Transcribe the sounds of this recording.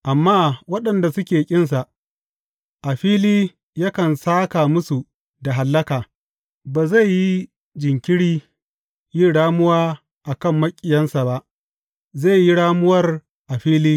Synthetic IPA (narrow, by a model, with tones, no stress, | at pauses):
ʔa˨mːaː˦wɐ˦ɗɐ˨nda˨sʊ˦kʲeː˨kʲʼɪ˦nsa˨ʔ | ʔa˨ɸiː˦liː˦ | ja˦kɐ˨nsaː˦ka˨mʊ˦su˨ | da˨ɦa˨lːɐ˦kaː˨ | baː˨za˦˨jːi˦ | d͡ʒɪ˨ŋkʲɪ˦ɽiː˦ | ji˦ɽaː˦mʊ˦waː˦ | ʔa˨kɐ˦˨mːɐ˦kʲʼːɪ˨jɐ˦nsa˨ba˦ʔ | zeː˦˨ji˦ɽaː˦mʊ˦wɐ˦r | ʔa˨ɸiː˦liː˦